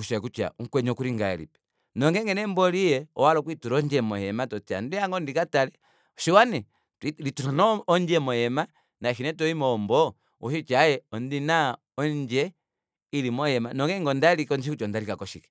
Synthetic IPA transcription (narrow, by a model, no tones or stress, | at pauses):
uʃɛkut͡ʃa̰uŋkwɛɲɔkuɾiŋɡaɛ̰lḭpɛ̥ | nɔŋɡɛŋɡɛnɛmbɔlijɛɔ̰walɔk̬wituɾɔɲd͡ʒɛmɔhɛmatɔt͡ʃa̰ndijaŋɡɔndikatalɛ | ɔʃiwanɛ | tilituɾanɔːɲd͡ʒɛmɔjɛma | naʃinɛtɔimɔmbɔ | uʃit͡ʃajɛɔndina | ɔɲd͡ʒɛ | ilimɔhɛmanɔŋɡɛŋɡɔndalikɔnʃikut͡ʃɔndalikakɔʃikɛ̥